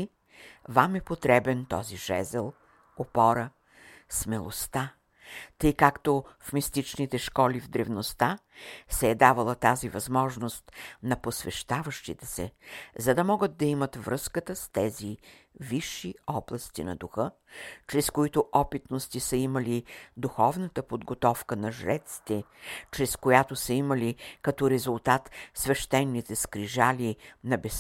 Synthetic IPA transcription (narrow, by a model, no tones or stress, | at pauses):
vamɛpot̪ɾɛbɛnt̪ɔ̰ziʒ̥ɛ̰zɛlˠ | opɔɾə | smɛlˠo̰st̪a | t̪ɤjkakt̪ofmist̪it͡ʃnit̪ɛʃkɔlivd̪ɾɛvnost̪asɛːd̪avɐlˠət̪azivɐzmɔʒnost̪nɐposvɛʃt̪avəʃt̪ḭt̪ɛsɛ̰zɐd̪ɐmɔɡəd̪ːɐimət̪vɾɤskət̪əst̪ɛzi | viʃːiɔblˠɐst̪ḭnɐ̰d̪uxɤ | t͡ʃɾɛskoit̪ʊʔɔpit̪nost̪isəimɐlid̪uxɔvnət̪əpod̪ɡot̪ɔfkənɐʒɾɛt̪si̥t̪ɛt͡ʃɾɛskojat̪osəimɐlikɐt̪ɔɾɛzulˠt̪at̪svɛʃt̪ɛnːit̪ɛskɾiʒalinɐbɛs